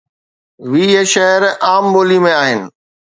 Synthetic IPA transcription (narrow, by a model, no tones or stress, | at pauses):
ʋiːeːʃɐɦəɾaːmboːlimẽaːɦɪnɪ̆